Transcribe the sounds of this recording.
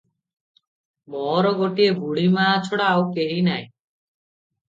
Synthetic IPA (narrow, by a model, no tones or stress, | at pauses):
mɔɾɔɡoʈiebʱuɽimaːt͡ʃʰoɽawkeɦinaj